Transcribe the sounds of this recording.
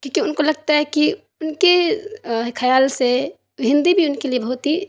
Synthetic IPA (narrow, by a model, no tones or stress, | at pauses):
kjõːkiʊnkolɐɡ̚t̪aɦɛki | ʊnke | kʰɐjaːlse | bʱɪ̃nd̪ibʱiʊnkeliebɐɦʊt̪i